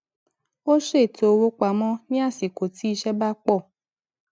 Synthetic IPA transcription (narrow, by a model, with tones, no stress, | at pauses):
o˦ʃe˦˨to˨˧wo˦k͡pa˨mɔ̃˧˦nĩ˦a˦˨si˨ko˨ti˦i˧ʃɛ˦ba˦k͡pɔ˦˨